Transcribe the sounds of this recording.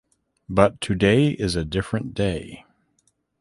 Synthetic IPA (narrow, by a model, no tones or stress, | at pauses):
bʌtʰɨdeɪʔɪzɨdɪfɹɨ̃nd̥eɪ